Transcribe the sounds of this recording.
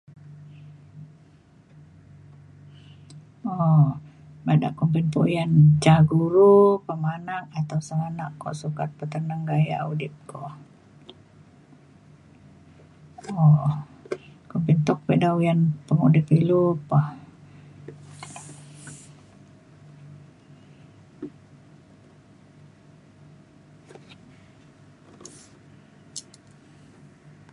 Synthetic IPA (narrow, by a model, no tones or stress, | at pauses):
ɔ | bada̰ʔkumpinpojant͡ʃaɡuɾupəmanak̚at̪awsəŋanaʔkːɔ̰ʔsukat̪̚pət̪ənaŋɡaja̰ʔudɪp̚kʰɔʔ | ɔ | kɔmpint̪ɔk̚pɛdawjanpəŋudipilupah